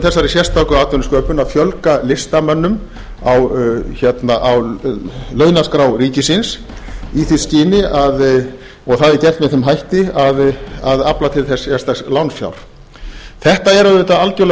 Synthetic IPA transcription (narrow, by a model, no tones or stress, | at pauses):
θɛsːaɾɪsjɛr̥st̪ʰawkʏaːt̪œnʏskœːpʏnaðfjœlkalɪst̪amœnːʏm | awçɛt̪naʔaw | lœːɥnaskɾawɾiːcɪsɪns | iθiscɪːnɪað | ɔɣθaðɛɾcɛr̥t̪mɛðθɛmɦajht̪ɪaðaðaplat̪ʰɪlθɛsjɛst̪aslawnfja̰wɾ̥ | θɛht̪aɛɾaðɪt̪aalcœl